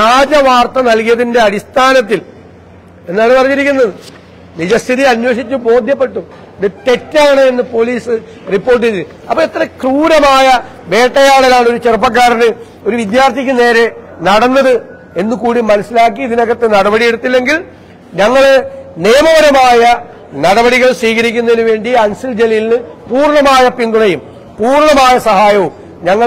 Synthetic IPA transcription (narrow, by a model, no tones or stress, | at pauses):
aːd͡ʑɐʋaːrt̪ːɐnɐlkijɐðinde̞ɐɽist̪ʰaːnɐt̪ːil | e̞nːaːɳɨpɐrɐɲːiɾikʲːunːɐðɨ | nid͡ʑɐst̪ʰiðiɐnwo̞ːʂit͡ɕːubo̞ːd̪ʱjɐpːe̞ʈːu | ðɨte̞tːaːɳɨe̞nːɨpo̞liːsɨ | ripːo̞ːrʈ̬ːieɨ | ɐpːɐːet̪ːrɐkruːɾɐmaːjɐ | ʋe̞ːʈːɐjaːɭɐlaːɳɨout͡ɕerup̬ːɐk̬ːaːɾɐnɨ | o̞ɾuʋid̪jaːrt̪ʰikʲːɨne̞ːɾe̞ | nɐɽɐnːɐðɨ | e̞nːukuːɽimɐnɐsilaːk̬ːiːðinɐɣːɐt̪ːenɐɽɐbɐɽije̞ɽut̪ːilːe̞ŋɡil | ɲɐŋːɐɭneːmɐʋɐɾɐmaːjɐ | nɐɽɐbɐɽiɣɐɭswiːɣɐɾikʲːunːɐðinuʋe̞ːɳɖiɐnsild͡ʑe̞lɐjilnɨpuːrɳɐmaːjɐpiŋɡ̪uɽɐjum | puːrɳɐmaːjɐsɐɦaːjɐʋum | ɲɐŋːɐ